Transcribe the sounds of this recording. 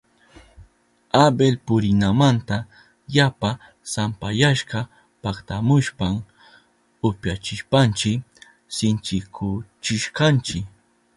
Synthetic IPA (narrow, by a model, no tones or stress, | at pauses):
abelpʊɾɪnamant̪a | japa | sampajaʃɢɑ | pakt̪amʊʃpam | ʊpjat͡ʃɪʃpant͡ʃɪk | sɪnt͡ʃɪkʰʊt͡ʃɪʃkɑnt͡ʃɪk